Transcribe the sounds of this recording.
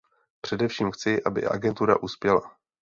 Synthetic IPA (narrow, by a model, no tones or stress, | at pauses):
pr̝̥ɛdɛfʃiːmxt͡sɪʔabɪ̰ʔa̰ɡɛnt̪uɾa̰ʔuspjɛla̰